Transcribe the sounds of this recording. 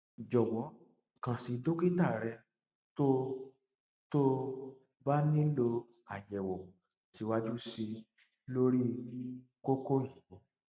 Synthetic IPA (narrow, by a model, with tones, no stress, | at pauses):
d͡ʒɔ˨wɔ̃˨˦˨ | kã˨si˧do˦ki˦ta˦˨ɾɛ˧ | to˦ | to˦ | ba˦nĩ˦lo˧a˨jɛ˨wɔ˨ | ti˧wa˦d͡ʒu˦si˧ | lo˦ɾi˦ko˦ko˦ji˨wo˨˦